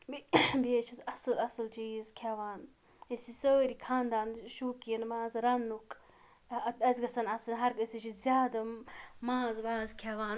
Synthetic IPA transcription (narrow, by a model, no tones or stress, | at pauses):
bbeːt͡ʃʰɐzɐsɨlɐsɨlt͡ʃiːzkʰaːʋaːn | esisəːɾikʰaːnd̪aːnʃuːkijɐnmaːzɾɐnːuk | ɐzʲɡɐsɐnɐsɐnɦɐɾɡəsit͡ʃʰizʲjaːd̪ɐmaːzʋaːzkʰaʋaːn